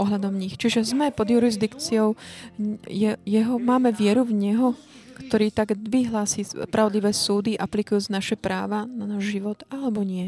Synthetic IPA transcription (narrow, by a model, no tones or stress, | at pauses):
ɔɦʎad̪ɔmɲixt͡ʃiʒɛzmɛpɔd̪juɾizd̪ikt͡siɔʊ | jɛjɛɦɔmaːmɛʋɪɛɾuvɲɛɦɔ | kt̪ɔɾiːt̪aɡd̪ʋiɦlaːsiːspɾʔaʊd̪liʋɛːsuːd̪iʔaplikujuːt͡snaʃɛpɾa̰ːʋananaːʒʒiʋɔt̪alɛbɔɲɪɛ